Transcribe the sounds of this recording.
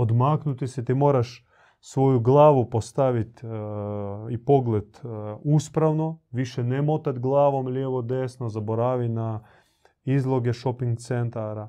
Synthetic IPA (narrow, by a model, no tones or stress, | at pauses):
od̪maːknut̪isɛt̪imoːɾaʃ | sʋoːjuɡlaːʋupost̪aʋit̪ | ipoɡlet̪uːspɾaʋnoʋiʃɛnemot̪at̪ɡlˠaːʋomljeːʋod̪eːsnozaboɾaːʋina | izlˠoɡeʃopiŋɡt̪sent̪aɾa